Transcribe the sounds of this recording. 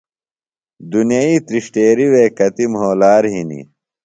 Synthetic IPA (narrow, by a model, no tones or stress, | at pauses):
d̪unjɐiːt̪ɾiʂʈeːɾiweːkɐt̪imɦoːlaːɾɦinḭ